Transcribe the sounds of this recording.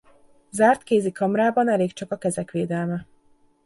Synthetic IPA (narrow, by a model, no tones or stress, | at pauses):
zaːrt̪keːzikɒmraːbɒnɛleːkt͡ʃɒkɒkɛzɛkʋeːd̪ɛlmɛ